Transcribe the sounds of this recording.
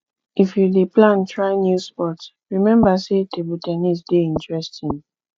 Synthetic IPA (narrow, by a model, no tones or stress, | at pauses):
ifjudeplãntɹaɪnjuspɔt | ɹimɛ̃mbasetʰebutɛnisdeĩntɹɛstʰĩn